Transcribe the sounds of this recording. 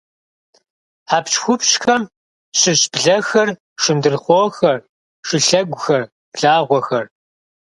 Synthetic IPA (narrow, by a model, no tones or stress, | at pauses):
ħaːpt͡ʃxʷʊpɕxɐm | ɕɪɕb̥ɮɐxɐr | ʂɪndɨrχʷoːxɐr | ʂɪɬɐɡʷʊxɐr | ɮaːʁʷɔxɐr